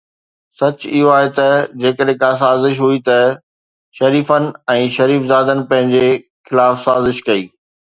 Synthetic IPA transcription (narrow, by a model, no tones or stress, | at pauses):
sɐt͡ɕɪɦoaːɦet̪ɐd͡ʑeːkəɗɦẽkãs̬aːzɪʃ̬ɦuit̪ɐ | ʃɐɾiːfənɪ̆ɛ̃ːʃɐɾiːfzaːd̪ənɪ̆pɐ̃ɦɪ̃ɲd͡ʑe | xɪlaːfsaːzɪʃkɐiː